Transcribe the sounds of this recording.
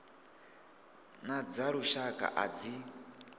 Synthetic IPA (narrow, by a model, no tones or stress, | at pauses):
nad͡zaɺuʃakʼa̰ʔa̰d͡zi